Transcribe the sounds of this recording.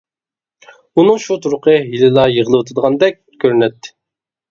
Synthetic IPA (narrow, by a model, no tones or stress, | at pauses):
unɨŋʃut̪ʰuɾʊqʰəɦilɪlˠɑjəʁəlˠɨwot̪ʰɨd̪əʁɑnd̪ɛk̚ʲkʲʰøɾynɛt̪ʰːɪ̥